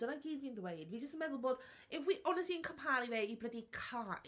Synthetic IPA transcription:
ənaɡiːdviːnðwejdwid͡ʒəstənmɛðʊlˠboːd̥ | ɪfwiʔɔnəstiənkʰəmhaːɾivɛibrədikʰaʔ

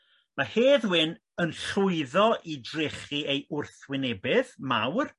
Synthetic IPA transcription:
maheːðwɪn | ənɬʊɨðɔʔidrɪχiejʊrθwɪnɛbɪðma̰wr

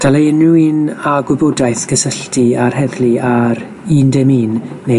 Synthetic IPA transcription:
d̥aleənuinaɡwɪbɔdajθɡ̥əsəɬtiarhɛðliaɾ | iːndɛmiːnːe

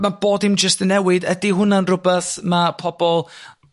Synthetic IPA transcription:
mab̥oːdɪmd͡ʒəstənɛwɪdədiɦʊnanrʊbɛθmapʰɔbɔlˠ

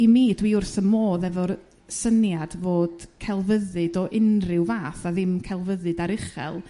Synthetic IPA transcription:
imiːdwiʊrθəmoːðɛvɔr | sənjadvoːd̥kʰɛlˠvəðɨdɔʔɪnrɪwvaːθaðɪmkʰɛlˠvəðɨdaɾɪχɛ̰lˠ

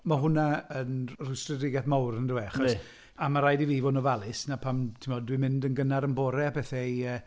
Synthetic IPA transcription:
maɦʊnaənrʊjstrədrɪɡɛθmawɾndɪwɛaχɔs | amaɾajdiviːvɔnɔvalˠɪsnapʰamtʰɪmɔd̚dwimɪndənɡənaɾənbɔɾɛapʰɛθɛjə

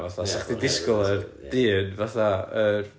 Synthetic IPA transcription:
vaθasaχdidɪskɔlˠɛrd̥iːnvaθaər

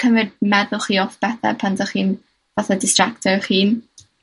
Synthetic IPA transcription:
kʰəmrɪd̚mɛðʊlˠχiːɔθb̥ɛθɛ̰pʰantʰaχiːn | vaθadɪstr̥aktʰɔɾχiːn

